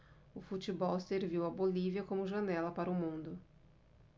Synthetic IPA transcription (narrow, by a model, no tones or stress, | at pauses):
ʊfut͡ʃibɔwseɾviwɐboliviɐkõmʊʒɐnɛlɐpaɾʊmũnd̪ʊ